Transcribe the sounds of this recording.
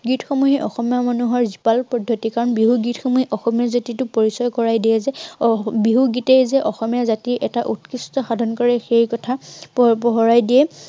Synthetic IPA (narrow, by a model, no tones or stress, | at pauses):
ɡitʰxɔmuɦiʔɔxɔmijamanuɦɔɹzipalpɔdʱːotikaɹɔnbiɦuɡitʰxɔmuɦiʔɔxɔmijazatitʊpoɹisɔjkɔɹajdiɛzɛbiɦuɡitɛjzɛʔɔxɔmijazatiɹʔɛtaʔutkistɔxadʱɔnkɔɹɛxejkɔtʰappɔɦɔɹajdiɛ